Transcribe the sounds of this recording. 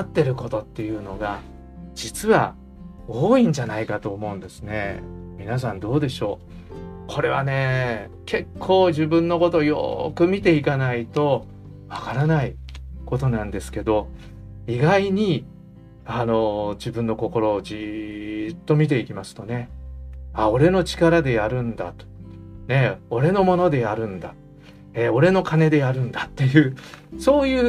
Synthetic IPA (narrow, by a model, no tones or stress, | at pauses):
at̪ːe̞ɾɯ̟ko̞t̪o̞t̪ːe̞jɯ̟ːno̞ɡa | d͡ʑit͡sɨβa | oːĩɲ̟d͡ʑanaikat̪o̞ːmo̞ɯ̟̃nd̪e̞sɨ̥ne̞mʲinas̬ãnd̪o̞ːd̪e̞ɕo̞ː | kʰo̞ɾe̞β̞ane̞ | kʰe̞kʰːo̞ːʑibɯ̟̃nːo̞ko̞t̪ojo̞̰kɯ̟mʲit̪̬e̞ikanait̪o̞ | βakaɾanaiko̞t̪o̞nãnd̪e̞sɨ̥ke̞d̪o̞ | iɡaiɲ̟i | ano̞d͡ʑibɯ̟̃nːo̞ko̞ko̞ɾo̞d͡ʑi | t̪ːo̞mʲit̪̬e̞ikʲimasɨ̥t̪o̞ne̞ | ao̞ɾe̞no̞t͡ɕi̥kaɾad̪e̞jaɾɯ̟̃nd̪a̰t̪o̥ne̞o̞ɾe̞no̞mo̞no̞d̪e̞jaɾɯ̟̃nd̪a | eo̞ɾe̞no̞kane̞d̪e̞jaɾɯ̟̃nd̪at̪ːe̞jɯ̟ːso̞ːjɯ̟ː